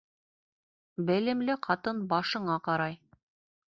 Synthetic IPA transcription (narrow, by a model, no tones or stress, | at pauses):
bɘ̆lɘ̆mlɘqʰɑt̪ɤnbɑʃɤ̆ɴɑqɑɾɑj